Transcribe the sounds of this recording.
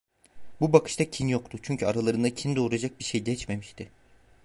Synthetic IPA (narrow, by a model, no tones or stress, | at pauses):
bubakʰɯ̥ʃt̪acʰinjo̞k̚t̪ʰʊt͡ʃʰyɲcʰyaɾalˠaɾɯnd̪acʰind̪o̞ːɾad͡ʒak̚biɾʃejɟɛt͡ʃme̞miʃt̪ʰɪ